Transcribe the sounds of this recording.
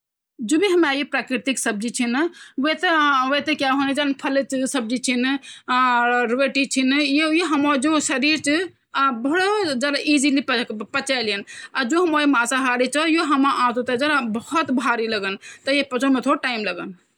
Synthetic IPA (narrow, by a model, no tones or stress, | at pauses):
d͡ʒobʱiɦəmajipɾakɾit̪iksəb̚d͡ʒit͡ʃʰinwet̪eʋət̪ekjaɦonid͡ʒanpʰəlet͡ʃsəb̚d͡ʒit͡ʃʰin | ɾuʋeʈit͡ʃʰinjojoɦəmɔd͡ʒosəɾiɾt͡ʃi | bəɽod͡ʒad̪aʔid͡ʒilippət͡ʃajlijənad͡ʒoɦəmɔimasaɦaɽit͡ʃʰɔjoɦəmaʔãsot̪əd͡ʒad̪abəhut̪bʱaɾiləɡənt̪əjepət͡ʃʰumet̪ʰoʈaimləɡən